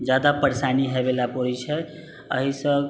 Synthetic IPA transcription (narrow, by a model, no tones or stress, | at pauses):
d͡ʒjad̪apəɾsaniɦebelapoɾit͡ʃʰɛ | ə̰ɦisə̃